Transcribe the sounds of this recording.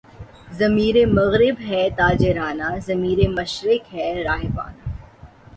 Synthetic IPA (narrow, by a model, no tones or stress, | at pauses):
zɐmiːɾemɐɣɾɪbɦɛt̪aːd͡ʒeɾaːnazɐmiːɾemɐʃɾɪkɦɛɾaːɦɪba̰ːnaː